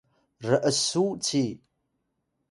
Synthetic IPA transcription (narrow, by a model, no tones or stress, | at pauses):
rɨʔəsut͡sʰi